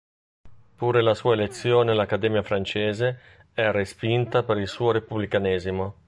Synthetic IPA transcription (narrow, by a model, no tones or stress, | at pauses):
puːɾelasuːaelet̪sːjoːnelakːad̪ɛːmjafɾant͡ʃeːze | ɛrespint̪apeɾilsuːoɾepublikanɛːzimo